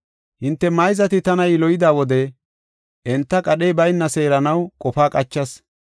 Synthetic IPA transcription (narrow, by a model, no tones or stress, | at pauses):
hɪnt̪ːɛmɐjzɐt̪ɪt̪ɐnɐjɪlɔjɪd̪aːwɔd̪ɛ | ʔɛnt̪ːɐkʼɐɗejbɐjnːɐse̞ːɾɐnɐwkʼɔfaːkʼɐt͡ʃːɐs